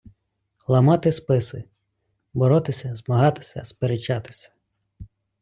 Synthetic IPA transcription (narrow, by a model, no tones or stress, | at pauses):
lˠɐmɑt̪ɪspɪsɪ | bɔɾɔt̪ɪsʲɐzmɐɦɑt̪ɪ̥sʲɐ̰speɾet͡ʃːɑt̪ɪ̥sʲɐ̥